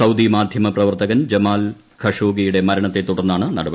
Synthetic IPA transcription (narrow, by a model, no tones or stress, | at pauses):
ɐwd̪imaːd̪ʱjɐmɐprɐʋɐrt̪ɐɣɐnd͡ʑɐmaːl | kʰɐʂoːɡijuɽe̞mɐɾɐɳɐt̪ːe̞t̪ːuɽɐrnːaːɳɨnɐɽɐbɐ